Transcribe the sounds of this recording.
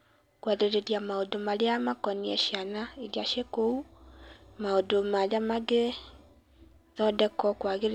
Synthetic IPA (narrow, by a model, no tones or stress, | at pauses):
kwaðeɾeɾiamaodomaɾeamakɔniɛʃianaeɾjaʃekou | maodomaɾamaɡe | ðɔdɛkɔkwaɣeɾ